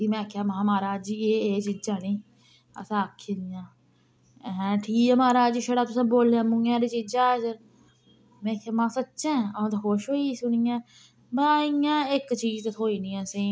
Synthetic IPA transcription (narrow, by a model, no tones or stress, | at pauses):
iːmɛ̃ːkʰjaːmãːmaːɾaːd͡ʒieːeːt͡ʃiːd͡ʒaːnĩː | ə̰sãːəkʰːeːnɪjãː | ɦɛ̃ːʈʰiːkəmaːɾaːd͡ʒiʃəɽaːt̪ʊsãːboːlaːmʊ̃jãːɾiːt͡ʃiːd͡ʒaːsəɾ | mɛ̃ːkʰjaːmãːsətːʃɛ̃ːə̃ːt̪aːxoːʃɦoːisʊɳijãː | baːijãːɪkt͡ʃiːd͡ʒt̪ət̪ʰoːiːnĩːãːsẽː